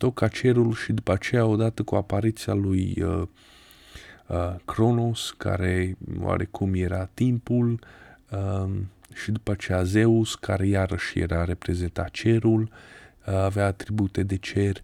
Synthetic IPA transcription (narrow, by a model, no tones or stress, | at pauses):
t̪o̞kat͡ʃe̞ɾulʃid̪upat͡ʃe̞jao̞d̪at̪əkuapaɾit̪sialujə | kɾo̞noska̰ɾe̞wa̰ɾekʰumje̞ɾat̪impulə | ʃid̪upəat͡ʃejaze̞uskaɾe̞jaɾəʃjḛɾaɾe̞pɾe̞ze̞nt̪at̪̚t͡ʃe̞ɾul | aveaːt̪ɾibut̪e̞d̪e̞t͡ʃe̞rʲ